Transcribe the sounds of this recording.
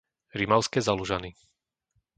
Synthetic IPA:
ɾimaʊskɛzaluʒani

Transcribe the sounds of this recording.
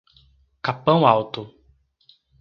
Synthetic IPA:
kapɐ̃w̃awt̪ʊ

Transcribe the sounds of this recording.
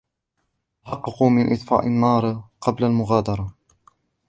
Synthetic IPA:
ħɑqːɑquːmɪnʔɪt̪ˤfa̰ːʔɪnːɑːɾˤqɑblalmʊɣaːd̪ɑɾˤɑ

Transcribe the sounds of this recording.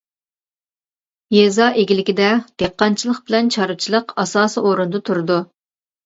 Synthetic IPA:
jezɑːʔeɡʲilɪkʲid̪ɛd̪̥eqːɑnt͡ʃʰilˠəqb̥ɪlɛnt͡ʃʰɑɾɨt͡ʃʰilˠəqɑsɑːsioɾund̪ɨt̪ʰuɾɨd̪u

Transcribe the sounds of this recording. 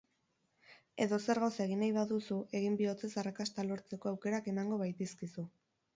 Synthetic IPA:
e̞ðo̞se̞ɾɣawse̞ɣ̞inajβaðusue̞ɣimbio̞t͡se̞sarakast̪alo̞ɾt͡se̞ko̞awke̞ɾake̞maŋɡo̞βajt̪eskisu

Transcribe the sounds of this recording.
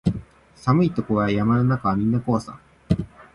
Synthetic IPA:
samɯ̟it̪o̞koɡajamanonakaβamʲĩnːako̞asã̰

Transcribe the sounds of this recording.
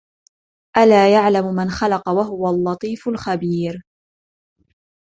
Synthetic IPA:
ʔalaːjaʕlammanxalɑqɑwaɦʊwalːɑt̪ˤiːfʊlxabiːɾ

